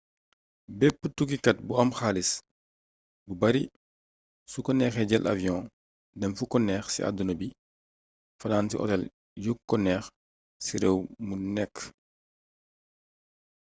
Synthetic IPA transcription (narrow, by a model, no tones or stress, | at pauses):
bɛpːətukikɐt̚buɐmxaːlis | bubɐɾi | sukɔnɛːxɛɟɛlʔa̰vjɔ̃ː | dɛmfukɔnɛːxsḭʔa̰dunɐbi | fɐnaːntḭʔɔ̰tɛl | jukːɔnɛːx | siɾɛwmunɛkː